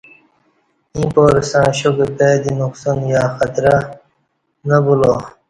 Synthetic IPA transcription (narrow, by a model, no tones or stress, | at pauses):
ĩːpoːɾsãːɕokɾpeːd̪inuqsonjaːxɐt̪ɾa | nɐbuloː